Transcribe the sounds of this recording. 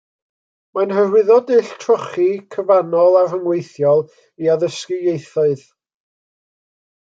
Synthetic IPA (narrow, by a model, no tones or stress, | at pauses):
manhərwɪðɔdɨɬtʰrɔχikʰəvanɔlˠavəŋwejθjɔlˠ | iaðəskɪjejθɔɨð